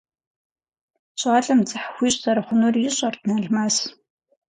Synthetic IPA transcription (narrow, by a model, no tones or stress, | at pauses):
ɕʷʼaːɮɐmt͡sʼɨħxʷiːɕʼzɐɾɐχʷʊnurjɪɕʼɐrtʰnɐɮmaːs